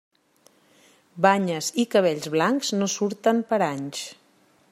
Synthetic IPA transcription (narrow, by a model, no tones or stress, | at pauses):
baɲəzikəβ̞eʎzβlaŋkznosuɾt̪əmpəɾaɲs